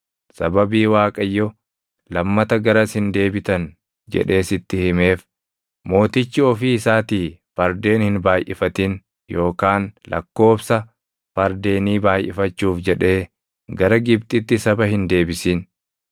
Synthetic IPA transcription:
sɐbɐbiːwaːkʼɐjːɔ | lɐmːɐt̪ɐɡɐɾɐshɪnd̪e̞ːbɪt̪ɐn | d͡ʒɛ̰ᶑe̞ːsɪt̪ːɪhɪme̞ːf | mo̞ːt̪ɪt͡ʃːɪɔfiːɪsaːt̪iːfɐɾd̪e̞ːnhɪnbaːjʔɪfɐt̪ɪn | jo̞ːkaːnlʔɐ̰kːo̞ːbsɐ | fɐɾd̪e̞ːniːbaːjʔɪfɐt͡ʃːuːfd͡ʒɛᶑe̞ː | ɡɐɾɐɡɪb̚t̪ʼɪt̪ːɪsɐbɐhɪnd̪e̞ːbɪsiːn

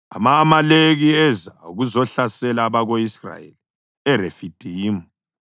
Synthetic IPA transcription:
a̰maːmaleɣiɛzauɣuzɔɬasɛlaːβaɣoisra̰ḛli | ɛɾefid̥ʱiːmu

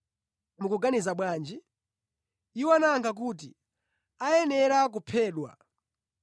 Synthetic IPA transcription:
mukuɡanizaɓwaːnd͡ʒi | iwɔanaŋkʰak̬ut̬i | ajɛnɛɾak̬upʰɛːɗwa̰

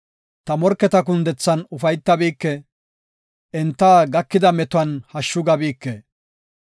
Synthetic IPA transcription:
t̪ɐmɔɾkːɛt̪ɐkʊnd̪ɛt͡sːɐnʊfɐjt̪ːɐbiːkːɛ | ɛnt̪ːaːɡɐkːɪd̪ɐmɛt̪ʊɐnhɐʃːʊɡɐbiːkːɛ

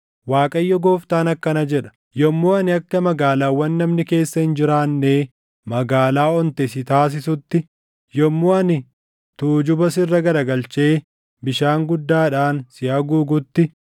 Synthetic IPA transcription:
waːkʼɐjːɔɡoːft̪aːnɐkːɐnɐd͡ʒɛᶑɐ̥ | jɔmːoːɐnɪɐkːɐmɐɡaːlaːwːɐnːɐmnɪke̞ːsːɐhɪnd͡ʒɪɾaːnːeː | mɐɡaːlaːɔnt̪ɛs̬ɪt̪aːs̬ɪsʊt̪ːɪ | jɔmːoːɐnɪ | t̪uːd͡ʒʊbɐsɪrːɐɡɐɾɐɡɐlt͡ʃe̞ː | bɪʃaːŋɡʊd̪ːaːᶑaːnsɪɐɡuːɡʊt̪ːɪ

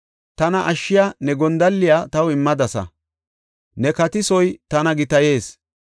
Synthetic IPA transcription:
t̪ɐnɐʔɐʃːɪjanɛɡɔnd̪ɐlːɪjaːt̪ɐwɪmːɐd̪ɐsɐ̰ | nɛkɐt̪ɪsɔjt̪ɐnɐɡɪt̪ɐje̞ːs

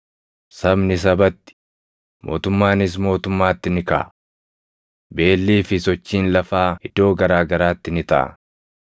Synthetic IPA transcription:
sɐbnɪs̬ɐbɐt̪ːɪ̥ | mʔo̞ːt̪ʊmːaːnɪs̬mo̞ːt̪ʊmːaːt̪ːɪnɪkɐ̰ | be̞ːlːiːfɪsɔt͡ʃːiːnlɐfaːɪd̪o̞ːɡɐɾaːɡɐɾaːt̪ːɪnɪt̪ɐʔɐ̰

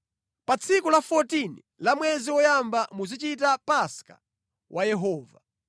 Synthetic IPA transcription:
pat͡sʰikulafɔtini | lamwɛziwɔjambamuzit͡ʃitapaska̰ | wʔajɛɦɔːva

